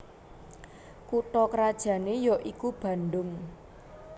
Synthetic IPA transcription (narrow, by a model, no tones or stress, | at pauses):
kuʈɔkɾad̥ʒ̥ä̤nejɔʔikub̥ä̤nɖʊŋ